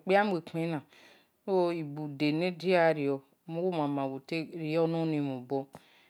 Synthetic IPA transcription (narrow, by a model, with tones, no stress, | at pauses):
k͡pi˦a˦m˦e˨ke˦nã˨˦ | o˦i˨bu˨de˨ne˦di˦a˦˨ɾi˨ɔ˨˦ | mu˦wu˦ma˨mã˨wu˨te˦ɾi˨jɔ˦no˦ni˨mu˨bo˦